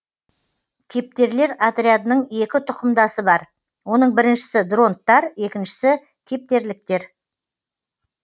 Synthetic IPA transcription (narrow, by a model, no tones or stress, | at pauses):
kʲʰe̞p̚t̪e̞ɾle̞ɾat̪ɾʲijad̪ənəɴe̞kʲɪt̪ʰʊqəmd̪ɑsəbɑɾ | wo̞nəɴbɪɾɪnʃɪ̥sɪd̪ro̞nt̪ːɑɾe̞kʲɪnʃɪ̥sɪ | kʲʰe̞p̚t̪e̞ɾlɪk̚t̪e̞ɾ